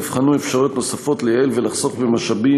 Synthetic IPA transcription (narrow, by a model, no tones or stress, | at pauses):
vχanuefʃaʁjot̪no̞safo̞t̪lejaelvelaχso̞kbemaʃabi